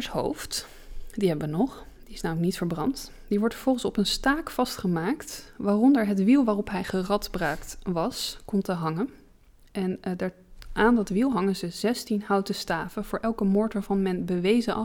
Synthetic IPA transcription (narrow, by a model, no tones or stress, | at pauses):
əsɦo̰wft | diɦɛbəʋənɔχ | d̥iɪsnaːmlək̚nitfəɹbrɑnt | d̥iʋɔɹtfəɹv̥ɔlˠχənsɔpənstaːkfɑstχəmaːktʋaːrɔndəɹɦətʋilˠʋaːrɔpɦɛjχərɑtbraɥktʋɑskɔmtəɦɑŋən | ʔɛnda | ʔaːndɑtʋilˠɦɑŋənzəzɛstinɦʌwtəstaːfəv̥ʊːɹʔɛlˠkəmʊːɹtʋaɹvɑnmɛnbəʋejzəʔɑ